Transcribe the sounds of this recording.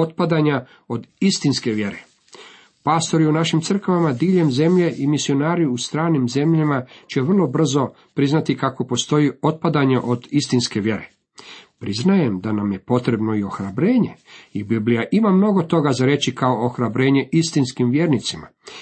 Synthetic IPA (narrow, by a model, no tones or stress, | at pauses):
ot̪̚pad̪aɲa | o̞d̪ist̪inske̞ʋje̞ɾe | paːst̪o̞ɾiunaʃimtsr̩kaʋamad̪iːʎe̞mze̞mʎe̞ʔimisio̞naːɾiust̪ɾaːnimze̞mʎamat͡ɕeʋr̩lˠo̞br̩zo̞ | pɾiznat̪ikako̞po̞st̪o̞jio̞t̪̚pad̪aɲaʔo̞d̪ist̪inske̞ʋje̞ɾe̞̰ | pɾiznaje̞md̪anamje̞po̞t̪ɾe̞bno̞io̞xɾabɾe̞ːɲe̞ibiblijaʔimamno̞ɡo̞t̪o̞ɡazaɾe̞t͡ɕikao̞oxɾabɾe̞ːɲe̞ʔist̪inskimʋjeːɾnit̪sima̰